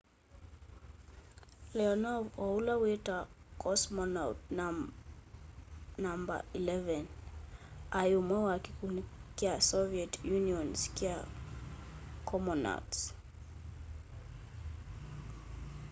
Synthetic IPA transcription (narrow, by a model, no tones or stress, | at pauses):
lɛɔnɔvɔulawɛtakʰɔsmɔnawtn | namba̰ilɛvɛn | ajumwɛwakikunikiasɔviɛtjuniɔnskia | kʰɔmɔna̰ts